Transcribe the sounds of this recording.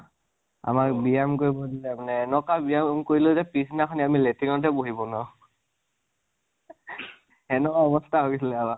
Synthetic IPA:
a̰makbijamkoɹibɔdilɛmanɛːnɔkabijamkoɹilʊzɛpisinakʰɔniamiletiŋɔtɛboɦibɔnɔ | ɛnɔkaɔbɔstʰaɦoɡisilɛaba

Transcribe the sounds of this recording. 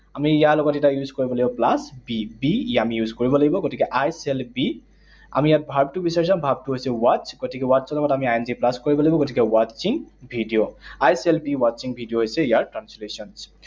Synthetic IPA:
amiːjaɹlɔɡɔtɛtajuzkoɹibɔlaɡibɔplasbibiamijuzkoɹibɔlaɡibɔɡotikɛʔajsɛlbi | a̰mijat̚bʱabtubisaɹisãmbʱab̚tuɦojsɛwat͡ʃɡotikɛwasɔlɔɡɔtamiajɛnziplaskoɹibɔlaɡibɔɡotikɛwat͡ʃiŋbʱidijoajsɛlbiwat͡ʃiŋbʱidijoɦojsɛijaɹtɹanslesɔns

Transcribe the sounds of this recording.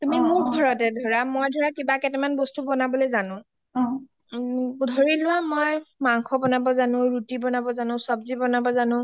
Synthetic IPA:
tumimuɹɡʱɔɹɔtɛdʱɔɹamojdʱɔɹakibakɛtɛmanbɔstubɔnabɔlojzanʊ̃ | dʱoɹilʊwamojmaŋkʰɔbɔnabɔzanʊ̃ɹutibɔnabɔzanʊ̃sɔbzibɔnabɔzanʊ̃

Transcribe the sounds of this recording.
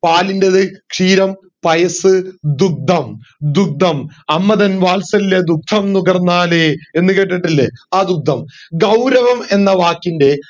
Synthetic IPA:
paːlindeðɨkʂiːɾɐm | pɐjɐsɨd̪uk̚d̪ʱɐmd̪uk̚d̪ʱɐmɐmːɐðɐnʋaːlsɐlilːɐd̪uk̚t̪ʰːɐmnuɡɐrnːaːleenːɨkeʈːɐʈːilːɐ̰aːd̪uk̚d̪ʱɐmɡɐwɾɐʋɐme̞nːɐʋaːkːinde̞

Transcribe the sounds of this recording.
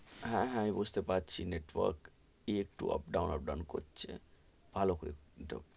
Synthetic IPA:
ɦɛ̃ɦamibud͡ʑʱt̪epatːt͡ɕʰineʈwɔ̰ɾk | iek̚ʈuɔ̰p̚ɖawnɔ̰p̚ɖawnkotːt͡ʃʰe | b̥ʱalokoɾḭʈɔ̰

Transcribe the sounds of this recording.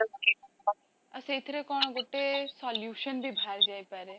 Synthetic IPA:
əseːt̪ʰɾekɔːɳ̃ɡoʈːesaːljuːʃənbʱibʱaːɾd͡ʒaːepɛːɾe

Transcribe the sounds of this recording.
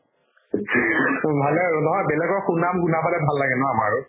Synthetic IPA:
bʱalɛnɔɦɔjbɛlɛɡɔɹxunamɡunabalɛbʱalːaɡɛnɔamaɹu

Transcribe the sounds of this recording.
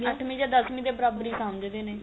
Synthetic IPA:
əʈʰmĩːd͡ʒaːd̪əsmĩːd̪eːbəɾaːbɾiːsaːmd͡ʒd̪eːneː

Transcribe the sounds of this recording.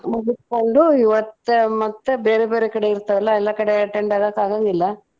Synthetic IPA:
muɡut̪koɳɖuiʋɐt̪ːmɐt̪ːbeːɾebeːɾekɐɽeiɾt̪ːɐʋɛlːɐɛlːɐkɐɽeɐʈːeɳɖaːɡakaːɡaŋɡilːɐ

